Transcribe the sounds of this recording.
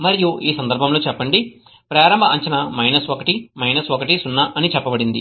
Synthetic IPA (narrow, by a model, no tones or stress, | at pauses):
mɐɾijuiːsɐnd̪ɐɾbʱɐmlo̞ːt͡ʃɛpːɐɳɖi | pɾaːɾɐmbʱɐɐɲt͡ʃɐnɐmɐjnɐsokɐʈimɐjnɐsokɐʈisunːɐʔɐnit͡ʃɛpːɐbɐɽind̪i